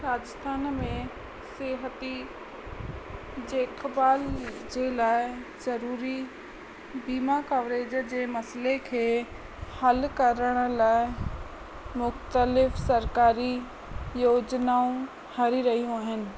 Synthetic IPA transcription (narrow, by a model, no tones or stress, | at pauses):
ɾaːd͡ʑɪst̪ʰaːnmẽ | seːɦət̪i | d͡ʑeːkbaːld͡ʑelaːɪzɐɾuːɾi | biːmakaʋɾeːd͡ʑəd͡ʑeːmɐsəlekʰeː | hɐlkɐɾəɽ̃əlaːɪ | mʊxt̪əlɪfsɐɾkaːɾi | joːd͡ʑnaõ | hɐɾiɾɐɦijũaːɦɪnɪ̆